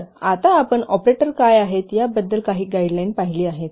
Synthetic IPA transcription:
at̪aːpəɳɔpɾeʈəɾkajaɦet̪jabəd̪ːəlkaɦiːɡaiɖlajnpaɦiliːaɦet̪

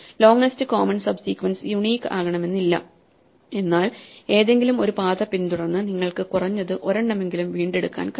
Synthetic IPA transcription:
lo̞ːŋnɐstɨkoːmɐnsɐbsiːkʋɐnsɨjuɳiːkːa̰ːɣɐɳɐme̞nːilːɐ̰ | e̞nːaːle̞ːðe̞ŋɡilumo̞ɾupaːðɐpːint̪uɽɐnːɨniŋːɐɭkɨkurɐɲːɐðɨʔo̞ɾɐɳɖɐme̞ŋɡilumʋiːɳɖe̞ɽukːa̰ːnk

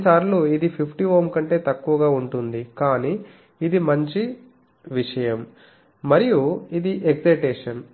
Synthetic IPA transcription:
saːɾluːid̪ipʰipʰʈiʋoːmkɐɳʈe̞ːt̪ɐkːuʋɐɡaːuɳʈund̪ikaːniː | d̪imɐɲt͡ʃi | ʋiʂɐjɐm | mɐɾijuid̪iʔeɡsɐjʈeːʂɐn

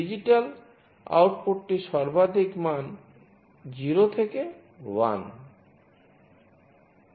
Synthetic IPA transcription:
id͡ʑiʈal | a̰wʈpoʈːiʃɔɾbad̪ʱikman | d͡ʑiɾot̪ʰeke | wa̰n

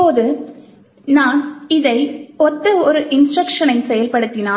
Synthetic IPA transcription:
oːðɯ | naːnɪðɐɪɔt̪ːɯɔɾɯʔɪnsʈɾɐkʂɐnɐɪnsɛjɐlpɐɽɯt̪ːɪnaː

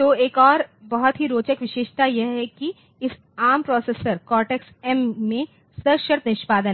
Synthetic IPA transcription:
t̪oːeːkɔːɾbɐɦɔt̪ɦiɾoːt͡ʃəkʋɪʃeːʃt̪ajɛɦɛki | ɪs | aːmpɾɔːseːsəɾkɔːʈeksɛmːẽ | səʃəɾt̪nɪʃpaːd̪ə

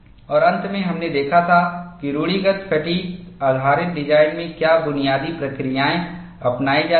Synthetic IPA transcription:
ɔːɾɐ̃nt̪mẽɦɐmned̪eːkʰat̪ʰakiɾuːɽiɡət̪kʰɐʈiaːd̪ʱaːɾɪt̪̚ɖɪd͡ʒaːɪnmẽkjaːbʊnijaːd̪ipɾɐkɾijaːẽ | ɐpnaːid͡ʒaː

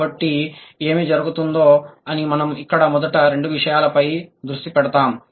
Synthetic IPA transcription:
bɐʈːie̞ːmid͡ʒɐɾuɡut̪und̪o̞ːɐnimɐnɐmikːɐɽɐmɔd̪ɐʈɐɾe̞ɳɖuʋiʂɐjaːlɐpɐjd̪ɾuʂʈipɛɽɐt̪aːm

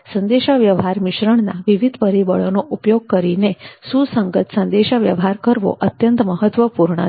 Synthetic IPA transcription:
sənd̪eʃaʋjəʋɦaɾmiʃɾəɳna̰ʋiʋid̪ʱpəɾibəɭonoʔupjoɡ̚kəɾinesusəŋɡət̪sənd̪eʃaʋjəʋɦaɾkəɾʋo̰ʔət̪jənt̪məɦət̪ʋəpuɾɳə̰

